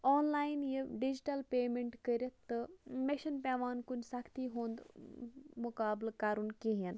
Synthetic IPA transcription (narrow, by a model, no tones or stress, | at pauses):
ɔːnlaːjnjeɖid͡ʑiʈɐlpeːmeɳʈkəɾʲɐt̪ːəmeɕənpʲaʋaːnkunsakʰt̪iːɦõːnd̪ | mukaːblkaɾuːnkiɦen